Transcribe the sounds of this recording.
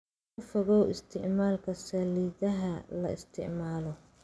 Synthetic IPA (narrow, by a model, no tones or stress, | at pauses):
kʊfɐɣɔɪst̪ʰɪʕmaːlkʰɐsɐliːðɐɦɐlɐɪst̪ʰɪ̰ʕmaːlɔ